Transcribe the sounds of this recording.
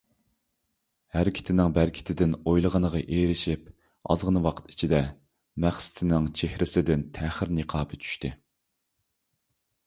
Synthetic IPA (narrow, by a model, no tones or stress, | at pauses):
hæɾɪkʲʰɪ̥t̪ʰɪnɪŋbæɾkʲʰɪ̥t̪ʰɪd̪ɪnojlˠəʁənəʁɑʔeɾɪʃip | ɑ̰zʁənwɑqʰə̥t̪i̥t͡ʃʰid̪ɛ | mæχsɪ̥t̪ʰɪnɪŋt͡ʃʰehɾɪsɪd̪ɪnt̪ʰæχɪɾnəqʰɑːpɨt͡ʃʰy̥ʃt̪ɪ